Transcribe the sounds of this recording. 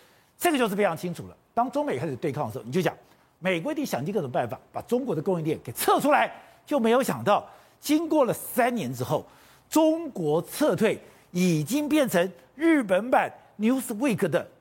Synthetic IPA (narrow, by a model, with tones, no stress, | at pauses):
ʈ͡ʂɡə˩t͡ɕjʂ̩˥˩fe˥ʈ͡ʂʰɑ˧˥ŋt͡ɕʰi˥ŋʈ͡ʂʰu˨˩lə̰˦t̪ɑ˥ŋʈ͡ʂʊ˥ŋme˨ɪkʰa˥ɪʂ̩ɻ̩˨˩t̪kʰŋə˩ʂjɕjɑ̰˨˩˦ŋ | me˨˩ɪkwɔ˧˥i˧t̪i˥˩ŋɕjɑ˨˩ŋi˥˧kʈ͡ʂʊ˨˩ŋpa˥˩nfa̰˨˩pa̰˨˩ʈ͡ʂʊ˥ŋkwɔ˧˥d̪ə˧ko˥ŋi˥˧t̪jɛ˥˩nke˨˩ɪt͡sʰɤ˥˧ʈ͡ʂʰu˥la˧˥ɪ | t͡ɕjo˥ʊme˧˥ɪjo˧˥ʊɕjɑ˨˩ŋt̪ɑ˥˩ʊ | t͡ɕi˥ŋkwɔ˥˩lə˩sa˥nnjɛ˧˥nʈ͡ʂɻ̩˥xo˥˩ʊ | ʈ͡ʂʊ˥ŋkwɔ˧˥t͡sʰɤ˥˧t̪ʰwe˥˩ɪ | i˨˩t͡ɕi˥ŋpjɛ˥˩nʈ͡ʂʰə˧˥ŋ | ɻ̩˥˩p̬ə˧˥npa˨˩n | nju˧˥sɹ̩˨˩we˥˩ɪkʰɤ˧˥d̪ə˨